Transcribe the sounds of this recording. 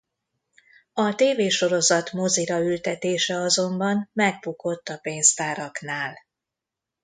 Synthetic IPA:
ɒt̪eːveːʃo̞ɾo̞zɒt̪mo̞ziɾɒylt̪ɛt̪eːʃɛɒzo̞mbɒnmɛɡ̚buko̞t̪ːɒpeːnzt̪aːɾɒknaːl

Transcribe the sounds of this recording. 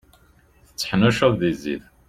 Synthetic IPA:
θə̥t͡sːħnæʃæððizḭð

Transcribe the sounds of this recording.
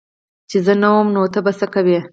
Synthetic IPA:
t͡ʃezənawəmnot̪abasəkawi

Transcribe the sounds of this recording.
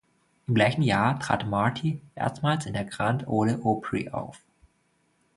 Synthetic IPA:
ʔɪmɡlaɪçn̩jaːɐtʁ̥a̰ːtmaɐtʰiʔḛːɐstmaːlsɪndeːɐɡʁantʰʔoːləʔoːpʰʁḭʔa̰ʊf

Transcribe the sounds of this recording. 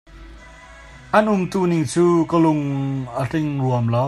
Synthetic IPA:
ʔanumt̪uniŋt͡suːkəlʊŋətiŋluəmlɔ

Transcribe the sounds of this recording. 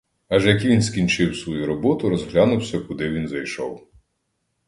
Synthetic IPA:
ɐʒɛjɐk̬iʋʲinskʲint͡ʃɪwsʋɔjuɾɔbɔt̪ʊɾɔzɦlʲanʊwsʲɐkʊd̪ɪʋʲinzɐjʃɔ̰w

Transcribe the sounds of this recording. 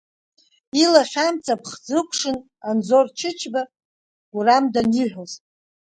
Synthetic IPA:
ilaχʲᶣamt͡sʰapʰχd͡zɨkʷʰʂɨn | anzort͡ʃʰɪt͡ʃʰba | ɡ̥ʷuramdaniħʷoz

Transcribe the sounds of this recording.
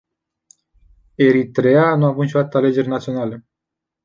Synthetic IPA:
e̞ɾit̪ɾe̞anuavunʃoat̪əale̞d͡ʒe̞rʲnat̪sio̞nale

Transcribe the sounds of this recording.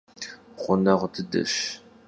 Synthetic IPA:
ʁʷʊnɐʁʷtʰɨdɐ̰ʃ

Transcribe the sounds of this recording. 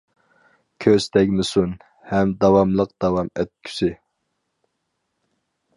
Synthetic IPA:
kʲʰøzt̪ʰɛkʲmɪsun | hɛmd̪ɑwɑmlˠəq̚d̪̥ɑwɑmɛt̪̚kʲʰy̥sɪ

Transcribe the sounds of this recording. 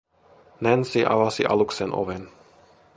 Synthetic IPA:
nɛnsiʔa̰vasḭʔa̰luksɛnʔɔ̰vɛn

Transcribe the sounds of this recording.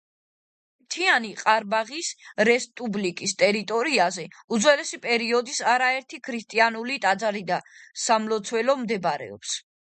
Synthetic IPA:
t̪ʰianiqʼaɾbaʁisɾɛspʼublikʼist̪ʼɛɾit̪ʼɔɾiazɛud̪zwɛlɛsipʼɛɾiɔd̪isaɾaɛɾt̪ʰikʰɾist̪ʼianulit̪ʼad̪zaɾid̪asamlɔt̪sʰwɛlɔmd̪ɛbaɾɛ̰ɔ̰ps

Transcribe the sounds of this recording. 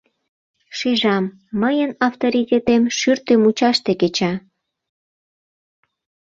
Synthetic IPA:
ʃeʒɑmː | əjənɑft̪oɾitʲet̪emʃyrt̪emut͡ɕɑʃt̪eket͡ɕɑ

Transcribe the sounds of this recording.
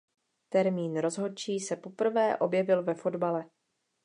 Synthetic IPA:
t̪ɛɾmiːnɾo̞zɦo̞t͡ʃiːsɛpo̞pr̩vɛːʔo̞bjɛvɪlvɛfo̞dbalɛ

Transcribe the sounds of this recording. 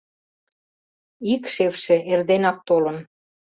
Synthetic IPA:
ikʃefʃĕerd̪enɑk̚t̪olə̆n

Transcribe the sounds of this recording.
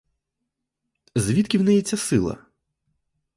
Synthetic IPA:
zʲʋʲit̪kʲiwnɛjɛt͡sʲːɐsɪlˠɐ̰

